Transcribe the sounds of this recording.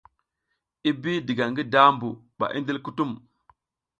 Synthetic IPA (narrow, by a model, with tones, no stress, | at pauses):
i˦bi˦di˨ɡa˨ŋɡi˦da˦mbu˨ | ɓa̰˨ʔḭ˦ndi˦lku˦tu˦m